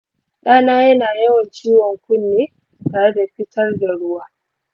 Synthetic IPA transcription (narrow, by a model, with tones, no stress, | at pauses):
ɗaː˦naː˦jɐ˦naː˨jɐ˦wɐ˨nt͡ʃiː˦wɔ˨ŋkʷʊ˦nːeː˦ | taː˨ɽe˦da˨ɸɪ˦tɐ˦rda˨ɽʊ˦waː˦